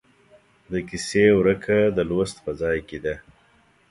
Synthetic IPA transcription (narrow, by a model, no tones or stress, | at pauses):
d̪əkisewɾəkʰad̪əlost̪pəzɑjked̪a